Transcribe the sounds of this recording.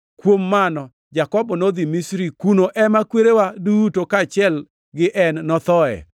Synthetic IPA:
kwomːanɔ | d͡ʒakɔbɔnod̪imisɾikunoʔɛmakweɾewadutokat͡ʃɪɛl | ɡɪʔɛnːɔt̪ɔɛ̰

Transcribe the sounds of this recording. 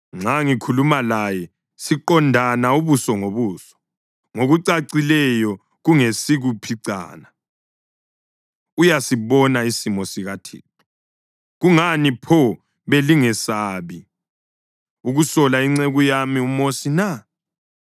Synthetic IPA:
ŋ͡ǁaŋikʰulumalajɛ | siǃɔndʱanauβusɔŋoβuːsɔ̥ | ŋoɣuǀaǀilɛjɔ | ɣuŋesiɣupʰiǀa̰ːna | ujasiβɔnaisimɔsiɣatʰḭːtʰu̥ | ɣuŋanipʰɔ | βeliŋɛsaːβi | uɣusɔlaiŋ͡ǀeɣujamiumosina

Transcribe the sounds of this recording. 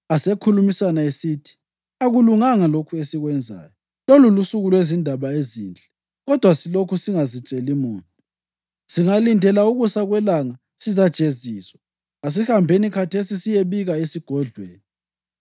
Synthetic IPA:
asekʰulumisanaesitʰi̥ | aɣuluŋaŋalokʰuesiɣwɛnd͡zʱa̰ːjɔ | lolulusuɣulwezindʱaβaeziːnd͡ɮʱɛ | ɣɔd̥ʱwasilokʰusiŋazit͡ʃʼelimuːntʼu | siŋalindʱɛlauɣusaɣwɛlaŋa | sizad̥t͡ʃʼeziːswa | as̬ihambʱenikʰatʰesisijeβiɣaesiɡ̥ʱɔɮweːni

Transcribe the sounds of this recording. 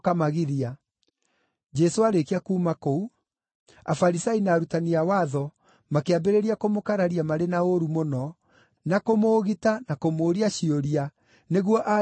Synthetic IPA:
kamaɣiɾia | d͡ʒɛsoaɾekiakuːmakou | afaɾisainaːɾutaniawaðɔ | makeabeɾeɾiakomokaɾaɾiamaɾenaoɾumonɔ | nakomoːɣitanakomoːɾiaɕioɾia | neɣwɔʔa

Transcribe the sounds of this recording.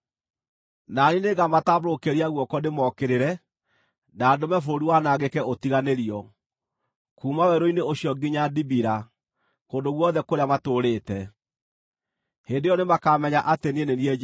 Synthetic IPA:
nanineɡamatabɾokeɾiaɣwɔkɔnemɔkeɾeɾɛ | nadomɛfoɾiwanaɣekɛʔotiɣaneɾiɔ | kuːmawɛɾoineoɕiɔɡiɲadibiɾa | koːndoɣwɔðɛkoɾeamatoːɾeːtɛ | hendejɔnemakaːmɛɲaʔatenieneniɛ

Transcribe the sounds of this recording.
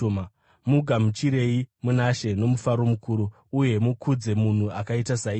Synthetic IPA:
ma | muɡʱamut͡ʃiɾe̞imunaʃe̞no̞mufaɾo̞mukuɾuː | je̞mukʰud͡ze̞mun̤uakaitasai

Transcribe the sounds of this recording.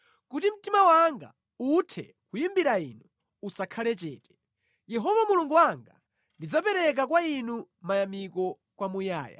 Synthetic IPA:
kutim̩timawaŋɡa̰ | utʰɛ̰ | kujimbiɾainu | usakʰalɛt͡ʃɛ̰ːtɛ̥ | jɛɦɔvamuluŋɡuwaŋɡa | ndid͡zapɛɾɛk̬akwainu | majamikɔ | kwamuja̰ːja̰

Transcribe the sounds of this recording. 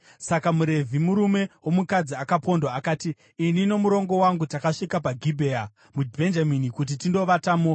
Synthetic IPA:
sakamuɾe̞vʱimuɾume̞wo̞mukad͡ziakapo̞ndwaːkaːtiː | nino̞muɾo̞ŋɡo̞waŋɡutakaʂikapaɡʱibʱea | mubʱe̞nd͡ʒaminikut̬itindo̞ʋataːmo

